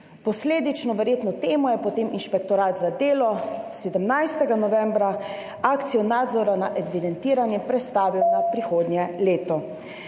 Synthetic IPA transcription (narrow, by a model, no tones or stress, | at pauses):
pɔsleːd̪it͡ʃnɔʋɛɾjeːt̪nɔt̪eːmɔjɛpɔt̪eːmʔinʃpɛk̚t̪ɔɾaːt̪zad̪eːlɔsɛd̪əmnajst̪ɛɡanɔʋɛmbɾa | aːkt̪sijɔnaːd̪zɔɾanaʔɛd̪ʋid̪ɛnt̪iːɾanjɛpɾɛt̪st̪aːʋiwnapɾixoːd̪njɛleːt̪ɔ